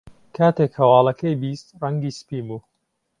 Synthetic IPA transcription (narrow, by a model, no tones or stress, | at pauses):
kʰaːt̪eːkhɐwɑːlˠɐkʰɐjbist̪rɐŋɡiːspiːmuː